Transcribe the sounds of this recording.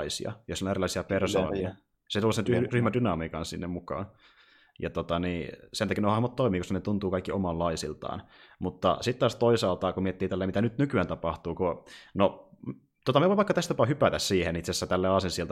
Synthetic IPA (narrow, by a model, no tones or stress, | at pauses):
isḭɑ̰josilonerilːˑɑˑisiɑperso̰ːniɑ | set̪ulsetyryhmædynɑmiːkɑnssinːemukɑ̰ːn | jɑt̪ot̪ɑniːsenɑkinohɑhmɑt̪toimiːkoskɑnet̪unt̪uːkɑikːiomɑllɑisilt̪ɑ̰ːnmut̪ːɑ̰sit̪t̪ɑːst̪oisɑːlt̪ɑkumiet̪ːiːt̪ælːeimit̪ænyt̪nykyæːnt̪ɑpɑht̪uːkono | t̪ot̪ɑmieʋoiʋɑikːɑt̪æst̪ɑpɑːhypæt̪æssiːhenit̪sesːæt̪ælːeːɑsensielt̪